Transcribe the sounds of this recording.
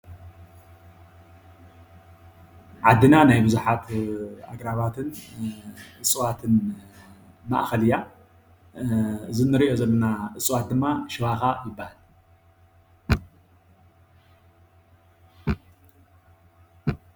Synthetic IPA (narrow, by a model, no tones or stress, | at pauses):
ʕad̪ːɨnanajbɨzuħat̪a̰ɡɾaβat̪ʰɨn | ʔɨsʼɨwat̪ʰɨn | ma̰ʔxɐlɨja | ɨzɨnːɨɾiʔo̞zɐlːɐnaʔɨsʼɨwat̪̚d̪ɨmːaʃɨwaxajɪbːahal